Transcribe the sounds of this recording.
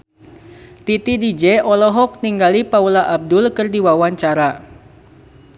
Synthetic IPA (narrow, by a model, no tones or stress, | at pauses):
t̪it̪idid͡ʒɛʔɔlɔɦɔk̚niŋɡalipaulaʔab̚dʊlkɨrdiwawaɲt͡ʃaɾa